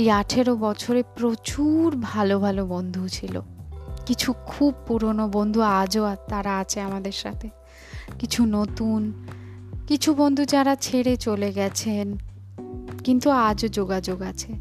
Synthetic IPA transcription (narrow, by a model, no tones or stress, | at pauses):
ejaʈʰeɾobɔt͡ɕʰoɾepɾot͡ɕuɾbʱalobʱalobond̪ʱut͡ɕʰilo̰kit͡ɕʰukʰub̚puɾonobond̪ʱuad͡ʑoat̪aɾaat͡ɕʰeamad̪eɾʃa̰t̪ʰe | kit͡ɕʰunot̪un | kit͡ɕʰubond̪ʱud͡ʑaɾat͡ɕʰeɽet͡ɕoleɡɛt͡ɕʰen | kint̪uad͡ʑod͡ʑoɡad͡ʑoɡat͡ɕʰe